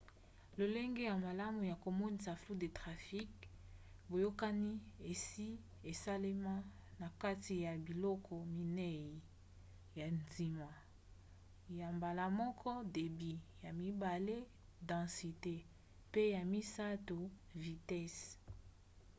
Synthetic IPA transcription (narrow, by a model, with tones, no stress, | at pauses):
lo˨le˦ŋɡe˦ja˨ma˨la˦mu˨ja˨ko˨mo˦ni˨sa˨flu˦de˨tʁa˨fi˦k | bo˨jo˦ka˦ni˦e˨si˦ | e˨sa˦le˦mã˦ | na˨ka˦ti˨ja˨bi˨lɔ˦kʰɔ˨mi˨nɛ˦i˨ | ja˨nzi˨ma˨ | ja˨mba˨la˨mɔ˦kʰɔ˦de˨bi˨ja˨mi˦ba˨le˦ | dɑ̃˨si˨te˦ | pe˦ja˨mi˦sa˦tu˨ | vi˨tɛ˦s